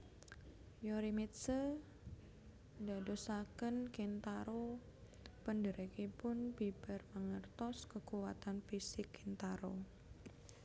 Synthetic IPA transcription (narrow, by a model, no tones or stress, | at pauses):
joɾimit̪sə | da̤dosakənkint̪aɾo | pəndəɾəkipʊnbib̥ə̤rməŋərt̪ɔskəkuwat̪anfisɪkːint̪aɾo